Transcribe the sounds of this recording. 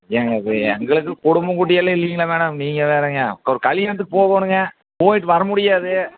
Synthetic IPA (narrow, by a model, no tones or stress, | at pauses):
ɛŋɡɐɾɯɛŋɡɐɭɯkːɯkɔɽɯmbɐkʊʈ̬ːɪjɐlːɐɪlːɪjŋɡɐlɐʋeːɽɐmniːŋɡɐʋeːɾeːŋɡɐkːɔɾɯkɐlɪjɛɾɐnt̪ɯkːɯpoːɣoːnɯŋɡɐ | poːjɪʈːɯʋɐɾɐmʊɽɪjaːðɯ